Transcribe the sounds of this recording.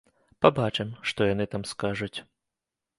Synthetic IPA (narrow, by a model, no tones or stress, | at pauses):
pabat͡ʂɛmʂt̪ɔjanɨt̪amskaʐut͡sʲ